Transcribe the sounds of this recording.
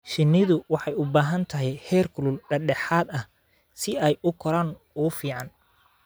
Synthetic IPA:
ʃɪnːɪðʊwɑħɑjʊbaːɦɐnt̪ʰɐɦɛjhɛːrkʰʊlʊlɖɐɖɛħaːd̪ɐh | sɪɛjʊkʰɔɾan | ɔːfiːʕɑn

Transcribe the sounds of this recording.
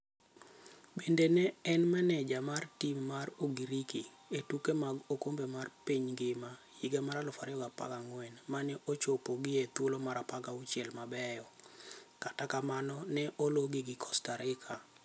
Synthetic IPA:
bendenɛɛnmɛnɛd͡ʒamartimːaroɡiɾiki | etukemaɡokombemarpiɲɡɪmahiɡemaɾalʊfaɾɛɔɡapa̰ɡaŋwɛnmanɛʔot͡ʃopoɡɪet̪olomaɾapaɡaut͡ʃjɛlmabɛjɔkatakamanɔnɛʔoloɡɪɡɪkʰɔ̥staɾɪkʰa

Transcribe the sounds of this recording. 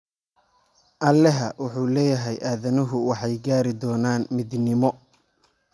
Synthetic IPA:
ʔɐlːɛɦɐwʊħuːlɛːjɐɦɛjʔaːðɐnɔɦʊwɑħɑjɡaːɾɪd̪ɔːnaːnmɪd̪nɪmɔ

